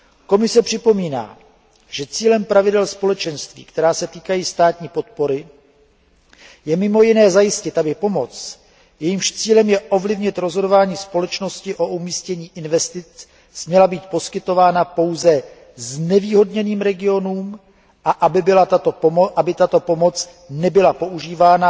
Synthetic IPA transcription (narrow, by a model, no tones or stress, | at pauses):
ko̞mɪsɛpr̝̥ɪpo̞miːna̰ː | ʒ̥ɛt͡siːlɛmpɾavɪdɛlspo̞lɛt͡ʃɛnst̪vḭːkt̪ɛɾaːsɛt̪iːkajiːst̪aːt̪ɲiːpo̞t̪̚po̞ɾɪ | jɛmɪmo̞jɪnɛːzajɪscɪt̪ʔabɪpo̞mo̞t͡s | jɛjimʃt͡siːlɛmjɛʔo̞vlɪvɲɪt̪ɾozɦo̞do̞vaːɲiːspo̞lɛt͡ʃno̞scɪʔo̞umiːscɛɲiːʔɪnvɛst̪ɪt͡s | smɲɛlabiːt̪̚po̞skɪt̪o̞vaːnapo̞wzɛ | znɛviːɦo̞dɲɛniːmɾɛɡɪo̞nuːm | ʔaʔabɪlat̪aoʔabɪt̪at̪o̞po̞mo̞t͡s | nɛbɪlapo̞ʔuʒiːvaːna